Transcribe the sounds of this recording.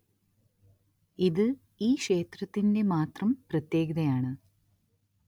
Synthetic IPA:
iðɨ | iːkʂe̞ːt̪rɐt̪ːinde̞maːt̪rɐmprɐt̪je̞ːɡɐðɐjaːɳɨ

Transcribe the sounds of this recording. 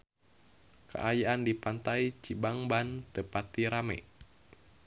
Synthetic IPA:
kə̰ʔajaʔandipant̪ait͡ʃibaŋbant̪əpat̪iɾamɛ̰

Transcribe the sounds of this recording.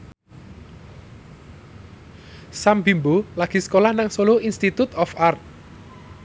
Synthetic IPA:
sambimbolaɡ̥i̤sə̥kolahnaŋsoloinst̪it̪ut̪ɔfart̪̚

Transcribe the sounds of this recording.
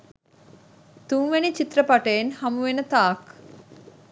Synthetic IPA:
t̪uŋʋenit͡ʃit̪rəpaʈəenhɐmuʋenət̪aːk

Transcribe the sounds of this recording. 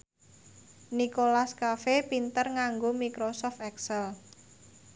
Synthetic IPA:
nikolaskafepint̪ərŋaŋɡomikɾosɔft̪ɛksɛl

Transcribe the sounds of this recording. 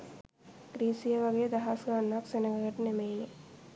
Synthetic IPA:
ɡɾiːsijəʋaɡejəd̪aɦasɡaːnːaksenəɡəɡəʈənemeje

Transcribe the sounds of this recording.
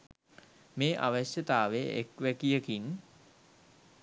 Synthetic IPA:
meːʔa̰ʋəɕjət̪aːʋeʔekʋækijəkin

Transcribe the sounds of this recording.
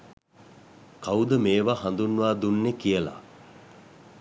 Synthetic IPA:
kawd̪əmeːʋaɦand̪unːʋaːd̪unːekijəla̰

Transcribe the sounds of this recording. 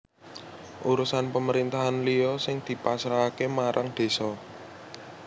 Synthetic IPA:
ʔuɾusanpəməɾint̪aɦanlijɔsɪŋd̪̥i̤pasɾaːkemaɾʔaŋd̪̥e̤sɔ

